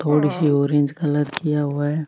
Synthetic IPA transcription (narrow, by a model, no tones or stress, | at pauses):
t̪ʰoːɽisioːɾiə̃nd͡ʒkɐlət̪kijaɦʊaɦɛː